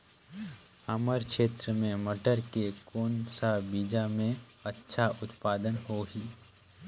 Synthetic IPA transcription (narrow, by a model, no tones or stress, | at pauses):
əməɾkʃeːt̪ɾəmẽməʈəɾkekoːnsabiːd͡ʒamẽɐtːʃʰaʔʊt̪paːd̪ənɦoɦiː